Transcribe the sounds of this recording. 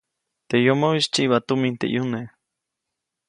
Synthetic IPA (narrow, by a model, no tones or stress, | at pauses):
t̪ejomoist͡ʃiʔβat̪umint̪ḛʔjune